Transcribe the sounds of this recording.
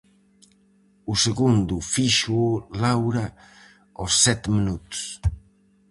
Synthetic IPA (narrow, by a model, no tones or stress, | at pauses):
useɣund̪ufiʃulawɾa | osːɛt̪minut̪u̥s